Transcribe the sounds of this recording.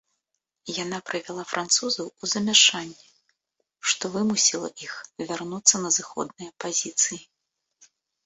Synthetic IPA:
janapɾɨvʲalˠafɾʔant̪suzɐwuzɐmʲaʂanʲːɛ | ʂt̪ɔvɨmusʲilˠɐ̰ʔixvʲarnut̪sːɐnɐzɨxɔ̰d̪̚nɨjɐpazʲit̪sɨji

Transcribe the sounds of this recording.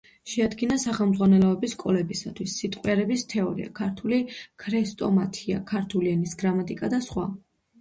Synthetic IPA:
ʃɛad̪ɡinasaχɛlˠmd̪zʁwanɛlɔɛbiskʼɔlɛbisat̪ʰwisːit̪ʼqʼwaɾɛbist̪ʰɛɔɾḭa̰kʰaɾt̪ʰulikʰɾɛst̪ʼɔmat̪ʰia̰kʰaɾt̪ʰulianisɡɾamat̪ʼikʼad̪asχwa̰

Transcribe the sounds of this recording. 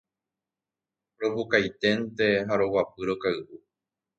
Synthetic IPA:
ɾo̞pukajt̪e̞nt̪e̞ɦaɾo̞wap̚ɨɾokaɨʔu

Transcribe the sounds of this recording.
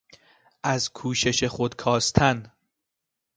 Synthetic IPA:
ʔæzkʰuːʃe̞ʃe̞xod̪kʰɒːst̪ʰæn

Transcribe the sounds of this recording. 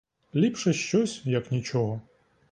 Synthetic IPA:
lʲipʂɛʃt͡ʃɔsʲjɐknʲit͡ʃɔɦɔ

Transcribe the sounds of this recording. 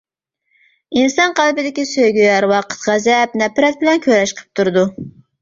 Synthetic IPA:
insɑnqælˠbɪd̪ɪkʲisøjɡʲyjɑɾwɑqʰə̥t̪ʁæzɛpnɛpɾɛt̪̚bɪlɛnkʲʰøɾɛʃqʰə̥p̚t̪ʰuɾɨd̪u

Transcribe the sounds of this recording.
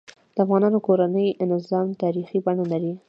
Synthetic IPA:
d̪̥əafɣɑnɑnokoɾanəjɪnɪzɑmt̪ɑɾixibaɳalaɾi

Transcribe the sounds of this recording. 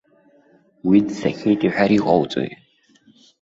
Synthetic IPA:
widsekʰuritʰʼiħʷᶣaɾiqʼɔwt͡sʼo̰j

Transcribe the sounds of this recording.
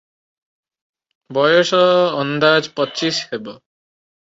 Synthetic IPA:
bɔjɔsɔːnd̪ad͡ʒpɔt͡ʃishebɔ

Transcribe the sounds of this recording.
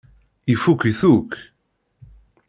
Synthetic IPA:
ifukiθuk

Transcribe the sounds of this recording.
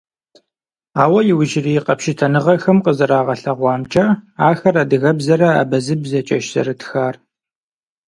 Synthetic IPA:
aːwɐjɪwʊʒɪriːqɐpʃɪtʰɐnɨʁɐxɐmqəzɨɾaːʁɐɬɐʁʷɑːmt͡ʃʼɐaːxɐrɐdɨɣɐbzɐɾɐa̰ːbɐzɨbzɐt͡ʃʼɐʃzɐ̰ɾɨtʰxaːr

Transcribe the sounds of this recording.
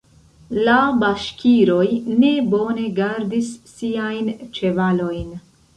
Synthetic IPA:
labaʃkʲʰiɾo̞jne̞bo̞ne̞ɡaɾdisːiajnt͡ʃe̞valo̞jn

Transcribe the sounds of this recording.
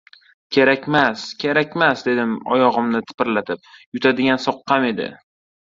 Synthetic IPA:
kʲʰe̞ɾakʲmaskʲʰe̞ɾakʲmasd̪e̞d̪ɪmɒ̰jɒʁɨmnɪt̪ʰɪ̥pɪɾlat̪ʰɪp̚jʊt̪ʰad̪ɪɡʲansɒqːɑme̞d̪ɪ̰

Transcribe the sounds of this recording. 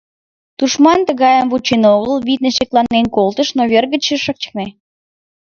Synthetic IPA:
d̪̥uʃmɑnt̪əɣɑjəmbut͡ɕenoɣəlβit̪neʃeklˠɑnːenkolˠt̪əʃnoβerɣət͡ɕəʃək̚t͡ɕə̥k̚ne

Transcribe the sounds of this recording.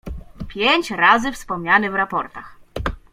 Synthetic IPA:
pʲjeɲt͡ɕɾazɘfspɔmɲanɛvɾapɔɾt̪ax

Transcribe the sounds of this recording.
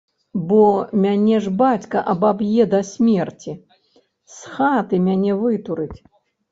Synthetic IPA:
bɔmʲanʲɛʐbat͡sʲkɐʔɐbabjɛd̪ɐsʲmʲɛrt͡sʲi | sxat̪ɨmʲanʲɛvɨt̪uɾɨt͡sʲ

